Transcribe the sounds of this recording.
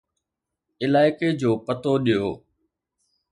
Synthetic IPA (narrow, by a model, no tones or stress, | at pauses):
ɪlaːɪked͡ʑoːpət̪oɗijoː